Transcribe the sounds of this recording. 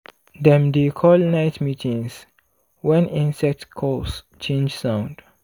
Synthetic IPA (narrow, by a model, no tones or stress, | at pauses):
dɛ̃mdekʰɔlnaɪtmitĩŋs | wɛ̃nĩnsɛk̚tkʰɔs | t͡ʃẽnd͡ʒsãʊ̃nd̥